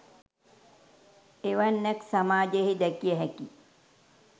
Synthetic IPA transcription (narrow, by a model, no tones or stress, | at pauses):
eʋanːɛksamaːd͡ʒeɦid̪ɛkijəɦɛki